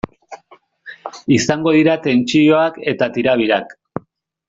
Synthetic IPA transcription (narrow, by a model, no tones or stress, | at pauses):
isaŋɡo̞ðiɾat̪e̞nt͡ʃio̞ake̞t̪at̪iɾaβ̞iɾak